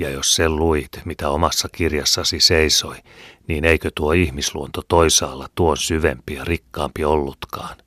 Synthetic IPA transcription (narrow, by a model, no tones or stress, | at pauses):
jɑjosselluit̪mit̪æomɑsːɑkirjɑsːɑsiseisoiniːneikøt̪uoihmisluont̪ot̪oisɑːlːɑt̪uonsyʋḛmpijɑrikːɑːmpiolːut̪kɑːn